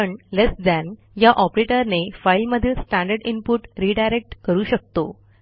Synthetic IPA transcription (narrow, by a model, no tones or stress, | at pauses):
əɳlesd̪æn | jaʔɔpɾeʈəɾnefailməd̪ʱiːlsʈæ̃ɳɖəɾinpuʈɾiɖajɾek̚ʈkəɾuːɕək̚t̪o̰